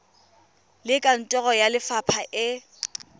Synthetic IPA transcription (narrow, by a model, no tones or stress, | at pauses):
lɪkʼan̩tʼɔɣɔjalɪfapʰaʔɪ